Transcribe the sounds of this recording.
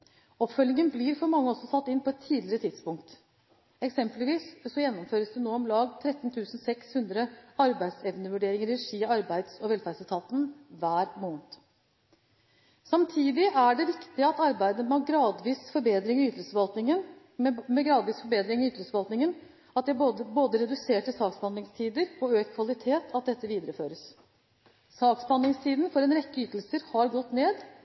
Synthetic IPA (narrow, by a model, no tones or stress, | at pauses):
ɔpfœlnɪŋənblɪɾfɔɾmɑŋːəɔsːɔsɑt̪ːɪnːpʰɔɛt̪ʰːiːd̪lɪəɾət̪ʰɪd̪spʊŋkt̪ | ɛksɛmpəlʋiːssɔjɛnːɔmføːɾəsd̪ɛnoːɔmlɑːɡt̪ʰɾɛt̪nt̪ʰʉːsn̩sɛkshʉnd̪ɾəɑɾbæɪd̪sɛʋnəʋʉɖeːɾɪŋəɾɾɾɛʂiːɑɾbæɪd̪sɔʋɛlfæːsæt̪ʰɑːt̪n̩ʋæːɾmoːnt̪ | sɑmt̪ʰiːd̪ɪʔæɖɛʋɪkt̪ɪəɑt̪ɑɾbæɪd̪əmɛɑɡɾɑːd̪ʋiːsfɔɾbeːd̪ɾɪŋyːt̪əlsəɑlt̪nɪŋən | mɛɡɾɑːd̪ʋiːsfɔɾbeːd̪ɾɪŋɪyːt̪lsəʋɑlt̪nɪŋən | ɑt̪̚d̪ɛæboːd̪əɾɛd̪ʉseːʈːɪlsɑːksbhɑnlɪŋst̪ʰiːd̪əɾɔøːk̚t̪kʰʋɑlɪt̪ʰeːt̪ʰɑt̪̚d̪ɛt̪ːəʋiːd̪əɾəføːɾəs | sɑːksbɑnlɪŋst̪ʰiːd̪n̩fɔɾɛnɾɛkːəyːt̪lsəɾhɑɾɡɔt̪ːneːd̪